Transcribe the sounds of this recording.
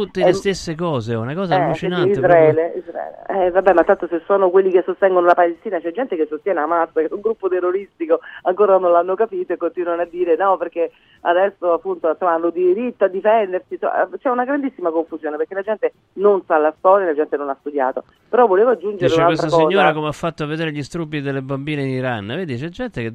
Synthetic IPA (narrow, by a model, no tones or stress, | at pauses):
t̪ut̪ːelest̪esːekɔːzeunakɔːzaɛut͡ʃnaizɾaɛːleḭzɾa̰ɛ̰ːlḛɛvabːɛmalt̪ant̪osesːoːnokwelːik̟esːost̪ɛŋɡonolapalest̪iːnat͡ʃɛd͡ʒːɛnt̪ekesːost̪jɛːneamasakeuŋɡɾupːot̪erːoɾist̪ikoaŋkoːɾanõnlanːokapiːt̪oekːont̪inwanad̪ːiːɾenɔpeɾk̟e | a̰d̪ɛsːoapːunt̪onsomːaanːod̪iɾit̪ːoad̪ːifɛnd̪eɾsisom̰t͡ʃɛunaɡɾand̪isːimakoɱfuzjoːnepeɾkelad͡ʒɛnt̪e | nonsalast̪ɔːɾjalad͡ʒɛnt̪enonast̪ud̪ja̰ːt̪o | peɾɔvːoleːvoad͡ʒːund͡ʒeɾeunalkest̪ɾaakɔːzɲːoːɾakomeafːat̪ːoavːed̪eːɾeʎist̪ɾubːid̪elːebambiːneiniɾanːveːd̪it͡ʃɛd͡ʒːɛnt̪eke